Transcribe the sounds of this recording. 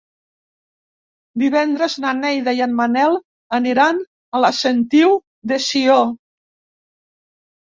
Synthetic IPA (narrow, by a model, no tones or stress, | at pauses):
d̪iβɛnd̪ɾəznanɛjðaianmanɛlˠ | əniɾan | əlasent̪iw | d̪esio